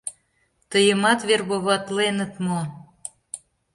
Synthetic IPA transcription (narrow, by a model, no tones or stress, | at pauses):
t̪əjəmɑt̪βerβoβɑt̪lenə̆t̪mo